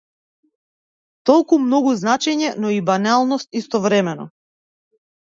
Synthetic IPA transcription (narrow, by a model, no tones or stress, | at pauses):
t̪ɔlˠkumnɔɡuznat͡ʃɛɲɛnɔibanalˠnɔst̪ist̪ɔvɾɛmɛnɔ̰